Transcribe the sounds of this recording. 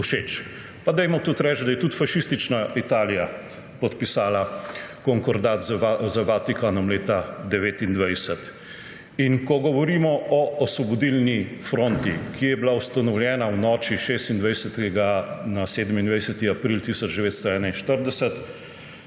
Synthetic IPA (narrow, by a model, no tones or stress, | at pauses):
uʃeːt͡ʃ | pad̪ɛjmɔt̪ut̪ɾɛt͡ʃd̪ajɛt̪ut̪faʃist̪it͡ʃnaʔit̪aːlija | pɔt̪pisaːlakɔŋkɔɾd̪at̪zzəbaːt̪ikanɔmleːt̪ad̪ɛʋeːt̪ind̪ʋajsət̪ | inkɔɡɔʋɔɾiːmɔɔɔsʋɔbɔd̪ilnifɾoːnt̪ikʰijɛbilawst̪anɔwljɛːnawnɔːt͡ʃiʃeːst̪ind̪ʋajsət̪ɛɡanaseːd̪əmind̪ʋajsət̪iapɾilt̪isɔd͡ʒd̪ɛʋeːt̪st̪ɔɛːnainʃt̪əɾd̪ɛsət̪